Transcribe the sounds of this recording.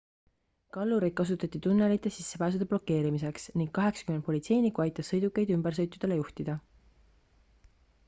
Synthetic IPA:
kɑlːuɾed̪̚kɑsut̪ːˑɑt̪ʲːit̪unːe̞lit̪ːˑe̞sisːe̞pæːs̬ud̪̥e̞b̥lo̞kːe̞ːɾimise̞ksniŋɡ̥kːɑɦe̞ksɑ̥ymenpo̞lʲit̪se̞jnikːˑuɑjt̪ːˑɑsːɤ̞jd̪ukːˑe̞jd̪ymbe̞rs̬ɤjt̪ːˑud̪̥e̞le̞juht̪id̪̥ɑ

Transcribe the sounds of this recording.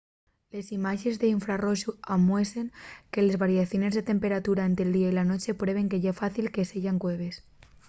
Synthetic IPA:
lesimaʒezðeiɱfɾaroʃuamweseŋkelezβaɾiaθjonezðet̪empeɾat̪uɾaent̪elˠd̪iailanot͡ʃe̞pɾeβ̞eŋkeʎafaθilkeseʎaŋkweβ̞es

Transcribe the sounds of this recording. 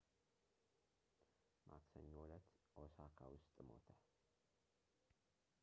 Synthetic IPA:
mʔa̰ksəɲːwʊlət̪ʔosakʰawʊst̪ʼmo̞̰t̪ʰə

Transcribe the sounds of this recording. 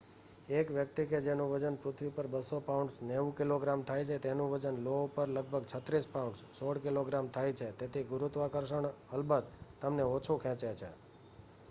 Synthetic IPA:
ekʋjək̚t̪iked͡ʒenũʋəd͡ʒənpɾʊt̪ʰʋipəɾbəsopaʊɳɖsneʋũkiloɡɾamt̪ʰajt͡ʃʰet̪enũʋəd͡ʒənloupəɾləɡ̚bʱəɡt͡ʃʰət̪ɾispauɳɖssoɽkiloɡɾamt̪ʰajt͡ʃʰet̪et̪ʰiɡʊɾut̪ʋakəɾʃəɳəlbəd̪̚t̪ːəmneot͡ʃʰũkʰɛ̃t͡ʃet͡ʃʰḛ

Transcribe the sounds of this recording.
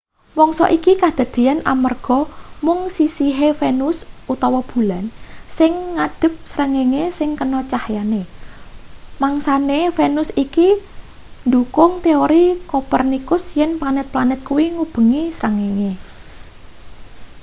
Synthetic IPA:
wɔŋsɔ̰ʔikikad̪̥a̤d̪̥e̤anʔa̰mərɡ̥ɔ̤mʊŋsisiɦefenʊsʔut̪ɔwɔb̥ṳlansɪŋːad̪̥ə̤p̚sɾəŋeŋesɪŋkənɔt͡ʃahjane | maŋsanefenʊsiki | nd̪ukʊŋt̪eoɾikopərnikʊsjɛnplanɛt̪̚planɛt̪̚kuwiŋub̥ə̤ŋisɾəŋeŋe

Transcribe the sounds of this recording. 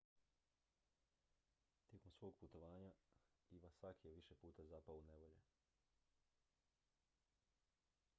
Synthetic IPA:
t̪jekomsʋo̞ːɡ̚put̪oʋaːɲaiʋasakjeʋiʃepuːt̪azaːpaune̞ʋoʎḛ

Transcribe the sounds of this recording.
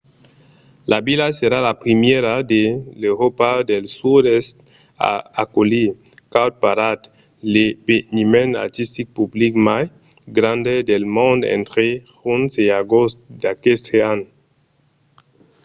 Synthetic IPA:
labilaseɾalapɾimjeɾad̪elewɾopad̪elsudest̪ | a̰akoli | kawt̪̚paɾat̪ | lebenimena̰ɾt̪ist̪ik̚publikmaj | ɡɾand̪ed̪elmõnd̪ḛnt̪ɾehunseaɡost̪d̪akest̪ʰeano

